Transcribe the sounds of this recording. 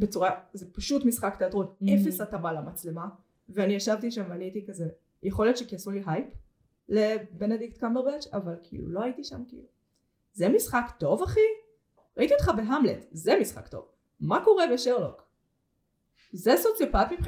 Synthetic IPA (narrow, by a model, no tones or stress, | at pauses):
bet͡suʁazepaʃut̪misχakt̪eatʁonefesat̪amalamat͡slema | veaniaʃavt̪iʃamvaniit̪ikaze | jeχo̞ljot̪ʃekiasuliɦajp | lebened̪iktkambeʁbet͡ʃavalkʰḭlṵlo̞aitiʃa̰mkḭlu | zemisχakt̪o̞vaχi | ʁaitiotχabe̞ɦamlḛtzemisχa̰kt̪o̞̰v | mako̞ʁebeʃeʁlo̰k | zezotlepaatmipχ